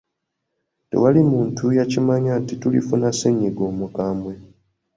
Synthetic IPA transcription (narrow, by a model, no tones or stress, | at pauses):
te̞̰walimuːntujacimaɲatitulḭfunaseɲːiɡo̞ːmukaːmwe̞